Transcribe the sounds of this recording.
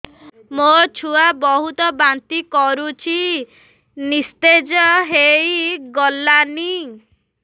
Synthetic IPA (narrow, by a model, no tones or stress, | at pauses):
mot͡ʃʰuabɔɦut̪ɔbant̪ikɔɾut͡ʃʰi | nist̪ed͡ʒɔɦejɡɔlːani